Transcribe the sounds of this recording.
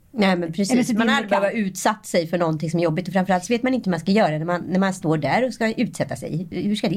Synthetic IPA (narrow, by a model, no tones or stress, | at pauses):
nɛmɛnpʰɾɛsismanald̪ɾɪbɛvaʉ̟ːt̪sat̪ːsɛjfœɳɔnt̪ɪŋsɔmæɾjɔbːɪt̪ɔfɾamfœɾalt̪sɔveːt̪manɪnt̪əhɵmanskajœːɾad̪ɛnæɾmanːæɾmanst̪oːɖæɾɔskaʔʉ̟ːt̪sɛt̪ːasɛ̰jhʉʂkad̪ɛ